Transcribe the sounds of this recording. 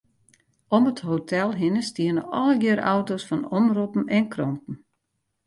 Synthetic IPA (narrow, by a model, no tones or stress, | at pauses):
ɔmətɦotʰɛlˠɦɪnəstiənəʔɔləɡɪəɾawtosfɔnɔmrupn̩ɛnkrɔmpn̩